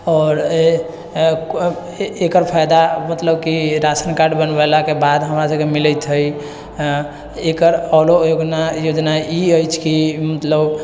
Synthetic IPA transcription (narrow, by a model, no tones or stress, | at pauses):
ɔːɾ | ekəɾpʰajd̪amət̪ləbkiɾasənkaɖbənbəlakebad̪ɦəmɾasəbkemiləjt̪ɦəj | ekəɾɔlojoɡnajod͡ʒnaiəjt͡ʃʰkimət̪ləb